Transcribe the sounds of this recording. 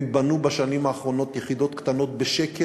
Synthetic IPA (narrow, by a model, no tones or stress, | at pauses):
banubaʃanimaːχʁo̞no̞t̪jeχid̪o̞t̪kt̪ano̞t̪beʃeke